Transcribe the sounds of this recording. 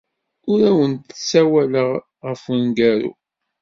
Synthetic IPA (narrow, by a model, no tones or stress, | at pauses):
ʊɾæwənt̪sæwæləʁ | ʁəfənɡæɾṵ